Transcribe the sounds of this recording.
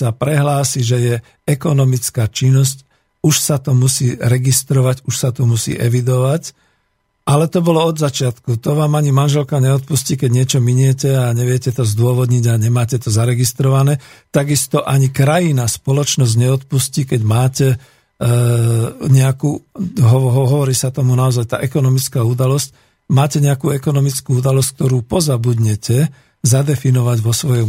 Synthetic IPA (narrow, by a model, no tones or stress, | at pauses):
sapɾɛɦlaːsiʒɛjɛ | ɛkɔnɔmit͡skaːt͡ʃinːɔsc | uʃsat̪ɔmusiːɾɛɡist̪ɾɔʋacuʃsat̪ɔmusḭːʔɛʋid̪ɔʋac | ʔalɛt̪ɔbɔlɔɔd̪zat͡ʃɪat̪kut̪ɔʋaːmaɲimanʒɛlkaɲɛɔt̪̚pusciːkɛɟɲɪɛt͡ʃɔmiɲɛcɛaɲɛʋɪɛcɛt̪ɔzd̪ʊɔʋɔd̪ɲiɟaɲɛmaːcɛt̪ɔzaɾɛɡist̪ɾɔʋanɛːt̪aɡist̪ɔʔaɲikɾajinaspɔlɔt͡ʃnɔzɟɲɛɔt̪̚pusciːkɛɟmaːcɛ | ɲɛakuːɦɔɦɔɦɔʋɔɾiːsat̪ɔmunaɔzajt̪a̰ːʔɛkɔnɔmit͡skaːud̪alɔsc̚ | maːcɛɲɛakuːɛkɔnɔmit͡skuːud̪alɔsk̚t̪ɔɾuːpɔzabud̪ɲɛcɛ | zad̪ɛfinɔʋaɟʋɔsʋɔjɔ